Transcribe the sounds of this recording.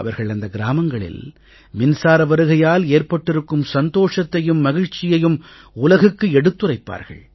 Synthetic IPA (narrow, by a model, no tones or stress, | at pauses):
ɐʋɐɾɣɐɭɐnd̪ɐɡɪɾaːmɐŋɡɐɭɪ̰l | mɪnsaːɾɐʋɐɾɯɣɐjaːleːɾpɐʈːɪɾɯkːɯmsɐnd̪oːʂɐt̪ːɐjɯmːɐɣɪɻt͡ʃɪjɐjɯm | ʊlɐɣɯkːɯɛɽɯt̪ːɯrɐɪpːa̰ːɾɣɐ̰ɭ